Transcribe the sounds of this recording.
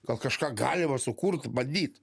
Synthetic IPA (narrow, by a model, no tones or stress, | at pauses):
kɐlˠkɐʃkɑːɡɑ̰ːlʲɪmɐsʊkurt̪bɐd̪ʲiːt̪